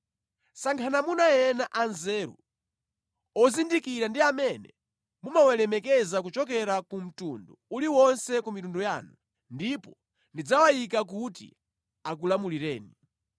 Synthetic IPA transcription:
saŋkʰanamunajɛnaʔanzɛːɾṵ | ɔzindikiɾandiamɛnɛ | mumawɛlɛmɛkɛzak̬ut͡ʃɔk̬ɛɾakum̩tundṵuliwɔnsɛkumitunduja̰ːnu | ndipɔ | ndid͡zawajikak̬utḭ | ak̬ulamuliɾɛːni

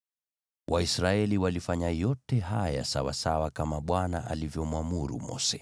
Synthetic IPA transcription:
wʔaisɾaɛliwalifaɲajɔtɛɦaja̰sawa̰sawakamaɓwanaʔalivjɔmwamuɾṵmɔ̰sɛ

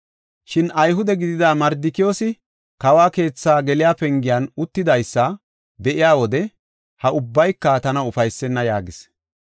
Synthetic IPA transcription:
ʃɪnɐjɦʊd̪ɛɡɪd̪ɪd̪aːmɐɾd̪ɪkɪjoːsɪ | kɐwaːke̞ːt͡sːaːɡɛlɪjaːpɛŋɡɪjanʊt̪ːɪd̪ɐjsːɐ | d̪ɛʔɪjaːwɔd̪ɛ | hɐʔʊbːɐjkːɐt̪ɐnɐʊfɐjsːɛnːɐjaːɡɪs

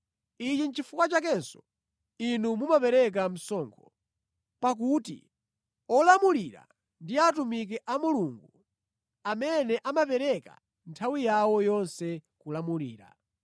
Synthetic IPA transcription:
it͡ʃin̩t͡ʃifukwat͡ʃakɛnsɔ̥ | inumumapɛɾɛk̬am̩sɔŋkʰɔ | pak̬utḭ | ɔlamuliɾa̰ | ndiatumik̬ɛʔamuluŋɡu | amɛnɛʔamapɛɾɛka̰ | ntʰawijawɔjɔnsɛkulamuliːɾa̰

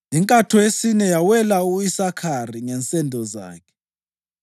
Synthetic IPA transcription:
jiŋkʼatʰɔesinɛjawɛlauisakʰariŋɛnt͡sʼɛndʱɔza̰ːkʰɛ̥

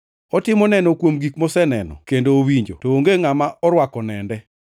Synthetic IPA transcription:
ɔtɪmɔnɛnɔkwomɡikmɔsɛnɛnɔ̰kendoːwiɲd͡ʒo̰tooŋɡeŋamaʔɔɾwakɔnɛndɛ

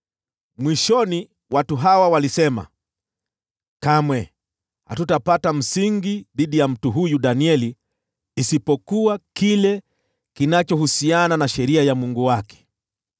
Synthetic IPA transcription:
mwiʃɔni | watuɦawawalisɛma̰ | kamwɛ | ha̰tutapatam̩siŋɡiðiɗijam̩tuɦujuɗaniɛliː | sipɔkuakilɛ | kinat͡ʃɔhusiananaʃɛɾiajamuŋɡuwakɛ̥

